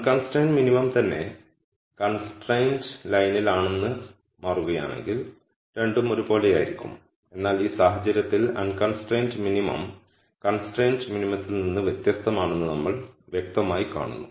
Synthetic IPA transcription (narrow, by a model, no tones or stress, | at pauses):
ɐkɐnsʈeːnɖminimɐmt̪ɐnːe̞̰ | kɐnsʈrejndlɐjnilaːɳe̞nːɨ | maːruɣɐja̰ːɳe̞̰ŋɡil | ɾe̞ɳɖumo̞ɾupo̞ːlejaːjiɾikʲːṵm | e̞nːaːliːsaːɦɐd͡ʑɐɾjɐt̪ːilɐ̰nkɐnsʈrejndminimɐ̰m | kɐnsʈrejndminimɐt̪ːilninːɨʋjet̪jɐst̪ɐmaːɳenːɨnɐmːɐɭʋjek̚t̪ɐmaːjika̰ːɳṵnːu